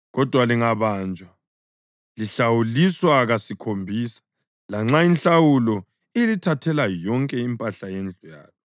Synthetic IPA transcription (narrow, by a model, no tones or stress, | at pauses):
ɣɔd̥ʱwaliŋaβaːnd͡ʒʱa | liɬawuliswaɣasikʰombʱiːsḁ | laŋ͡ǁainɬawulɔ | elitʰatʰɛlajɔŋkʼɛimpʼaɬajɛnd͡ɮʱɔja̰ːlɔ